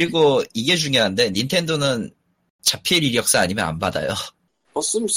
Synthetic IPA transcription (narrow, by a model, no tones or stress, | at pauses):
kɾiɡoiɡe̞d͡ʑuŋjeɦande̞nintʰe̞ndonɯn | t͡ɕapʰiɾiɾjʌk̚s͈aaɲimjʌna̰nbada̰jo̰ | ʌs͈ɯm